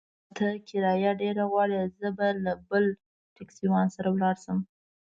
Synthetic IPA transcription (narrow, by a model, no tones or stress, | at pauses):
t̪ʰakɪɾɑjaɖeɾaɣwɑɽizəbalabəl | ʈaksiwɑnsaɾawlɑɾsəm